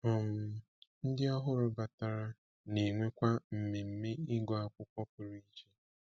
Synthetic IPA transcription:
ɔ˨m̩˨ | n̩˦dɪ˦a˦ɦʊ˦ɾʊ˨ba˨ta˨ɾa˦ | ne˨ŋʷe˦kʷa˦m̩˨me˨m̩˦me˦ɪ˦ɡɔ˨a˦kʷʊ˦kʷɔ˦p̚ʊ˨ɾi˦i˦d͡ʒe˦

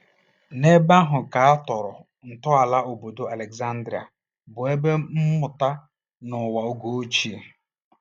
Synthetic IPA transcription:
ne˦ba˦ɦʊ˨ka˨a˦tɔ˨ɾʊ˨ | n̩˨tʊ˦a˨la˦o˨bo˨do˨a˨le˨kza˦n̩˦dɾi˨a̰˨ | bʊ˨e˦be˦m̩˦mʊ˨ta˦ | nʊ˨wa˨o˦ɡo˦o˦t͡ʃi˦˨

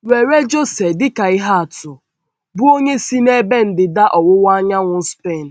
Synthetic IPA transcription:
we˨ɾe˦d͡ʒo˦se˨dɪ˦ka˨ɪ˦ɦa˦a˨tʊ˨ | bʊ˦o˦ɲe˦si˦ne˦be˦n̩˨dɪ˨da˦ʔɔ˨wʊ˦wa˦ɲa˦ŋʷʊ˦spe˦˨n̩˨

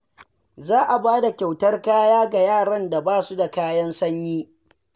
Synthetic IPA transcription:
zaː˦ʔa˨baː˦da˨kʲa˨wtɐ˦rkaː˦jaː˦ɡa˨jaː˦˨ɽɐ˦nda˨baː˦˨su˦da˨kaː˦jɐ˦nsɐ˦ɲjiː˦

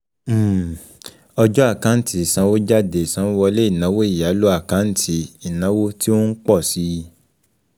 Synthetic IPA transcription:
ɔ˧d͡ʒɔ˦a˦˨kã˨˦n̩˦tʰi˨˦˨sã˨˧˦wo˦d͡ʒa˦de˨sã˨˦wɔ˧le˦i˦˨nã˨˦wo˦i˦˨ja˨˦lo˦a˦˨kã˨˦n̩˦tʰi˧˦i˨nã˨˦wo˦ti˦o˦n̩˦k͡pɔ˦˨si˨˦ji˧

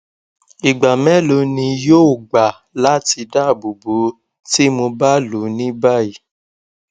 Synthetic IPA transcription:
i˨ɡ͡ba˨mɛ̃˦lo˧˦nĩ˧joː˦o˨ɡ͡ba˨ | la˦ti˧da˦˨bu˨bo˨˦ | ti˦mo˧ba˦lu˨˦nĩ˦ba˦˨i˨

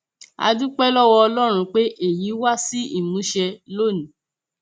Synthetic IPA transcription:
a̰˧du˦k͡pɛ˦lɔ˦wɔ˧ɔ˧lɔ˦ɾ̃ũ˧k͡pe˦ʔe˦˨ji˨˦wa˦si˦ḭ˦˨mũ˨˦ʃɛ˧lo˦˨nĩ˨

